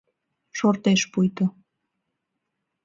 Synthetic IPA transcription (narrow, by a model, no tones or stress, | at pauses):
ʃort̪eʃpujt̪ə̆